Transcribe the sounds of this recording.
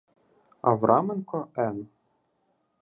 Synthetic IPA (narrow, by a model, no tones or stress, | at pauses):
ɐ̰ʋɾʔɑmenkɔɛn